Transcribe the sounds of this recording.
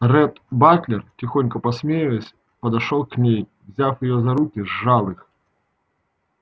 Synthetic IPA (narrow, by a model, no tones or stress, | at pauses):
rɛt̪baklʲɪrtʲɪxonʲkəpɐsʲmʲejɪlˠəsʲ | pəd̪ɐʂolˠknʲej | vzʲafjɪjozɐɾukʲɪzːalˠɨx